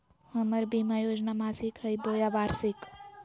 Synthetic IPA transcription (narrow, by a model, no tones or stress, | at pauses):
həməɾbʱimajod͡ʒnamasikɦəjbojabaɾsik